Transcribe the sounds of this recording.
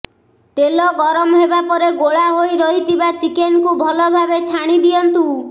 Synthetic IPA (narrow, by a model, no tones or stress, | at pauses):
t̪elɔɡɔɾɔmɔɦebapɔɾeɡoɭaɦojɾɔɦit̪ʰibat͡ʃikenkubʱɔlɔbʱabet͡ʃʰaɽ̃id̪ijɔnt̪u